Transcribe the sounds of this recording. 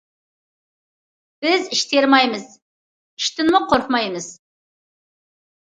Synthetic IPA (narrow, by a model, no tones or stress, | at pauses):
b̥ɪzɪʃt̪e̞ɾmɑjməz | ɪ̥ʃt̪ɪnməqʰoɾqmɑjməz̥